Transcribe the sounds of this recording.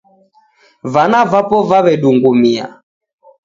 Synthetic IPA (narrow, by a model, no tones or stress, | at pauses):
vanavapɔvaβɛɗuŋɡumia̰